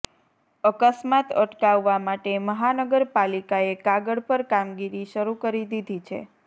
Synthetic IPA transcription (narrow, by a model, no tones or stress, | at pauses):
əkəsmat̪ə̰ʈkaʋːamaʈeməɦanəɡəɾpalikaekaɡəɽpəɾkamɡiɾiʃəɾukəɾid̪id̪ʱit͡ʃʰḛ